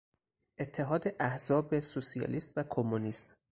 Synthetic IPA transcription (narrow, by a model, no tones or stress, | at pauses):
ʔe̞t̪ʰːe̞ɦɒːd̪eʔæhzɒːbesosijɒ̰ːlʔiːst̪vækʰomːuniːst̪